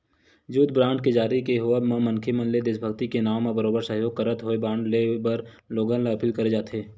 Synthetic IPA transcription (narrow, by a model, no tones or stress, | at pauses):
d͡ʒuːd̪bɾãːɳʈked͡ʒaːɾikeɦoəmãmə̃nkʰemə̃nled̪esbʱəɡt̪ikenaːmːãbəɾoːbəɾsəɦjoːɡ̚kəɾət̪ɦoːebãːɳɖlebəɾ | loːɡãlaɐpiːlkɐɾed͡ʒaːt̪ʰeː